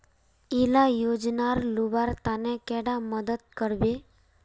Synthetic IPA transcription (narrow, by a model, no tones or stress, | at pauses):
ilajod͡ʒnaɾlubaɾt̪anekɛɽaməd̪əd̪̚kəɾʋe